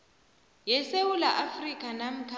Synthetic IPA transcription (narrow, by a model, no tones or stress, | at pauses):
jɛsewulaʔafrikʼanam̩kʰa